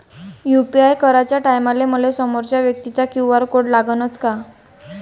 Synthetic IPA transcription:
jupiajkəɾat͡ɕjaʈajmaleməlesəmoɾt͡ɕjaʋjək̚t̪it͡sakuʋaɾkoɽlaɡənət͡ska

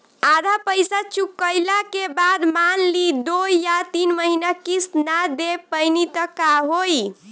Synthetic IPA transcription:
ad̪ʱapəjsat͡ʃukːəjlakebad̪manlid̪ojat̪inməɦinakisnad̪epəjnit̪əkaɦoj

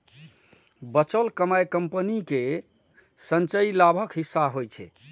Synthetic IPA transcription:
bət͡ʃəlkəmajkəmpənike | sənt͡ʃəilabʱəkɦisːaɦojt͡ʃʰɛ̰

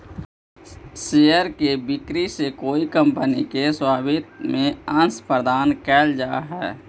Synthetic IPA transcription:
seːjəɾkebɪkɾisekoːikə̃mpənikeswaːbʱɪt̪mẽə̃nspɾəd̪aːnkɛːld͡ʒaːɦɛː

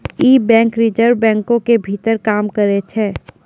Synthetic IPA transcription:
iːbɛ̃ːŋkɾɪd͡ʒəɾbɛ̃ːŋkõkebʱit̪əɾkaːmkəɾet͡ʃʰeː

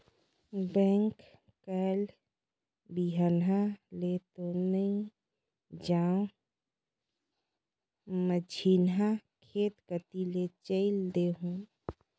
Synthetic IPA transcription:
bɛ̃ŋk | kəl | biɦənalet̪onəĩ | d͡ʒaõ | məd͡ʒʰʱinɦakʰet̪kət̪ilet͡ʃəɪld̪eɦũ

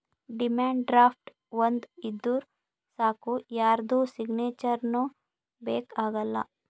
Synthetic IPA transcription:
ɖimaːɳɖɖɾaːpʰʈ | ʋɐnd̪id̪ːuːɾ | saːkujaːɾd̪uːsiɡneːt͡ʃɐɾno | beːkaːɡɐlːɐ̰

